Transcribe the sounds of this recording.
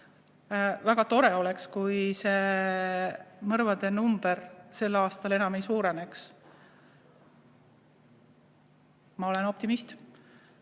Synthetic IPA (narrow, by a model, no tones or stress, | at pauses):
væɡ̥ɑt̪o̞ɾeo̞lekskujse̞ | mɤɾvɑd̪̥e̞numb̥eɾse̞lːɑːst̪ɑlenɑmejsuːɾene̞ks | mɑo̞le̞no̞p̚t̪imist̪